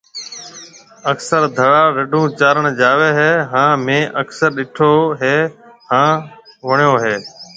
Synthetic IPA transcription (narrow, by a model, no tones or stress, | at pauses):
əksəɾd̪ʱəɭaːɾəɖʱũːt͡ʃaːɾəɳd͡ʒaːʋeːɦeːɦãːmẽːʔəksəɾɗɪʈʰoːɦeːɦãːʋəɳjoːɦeː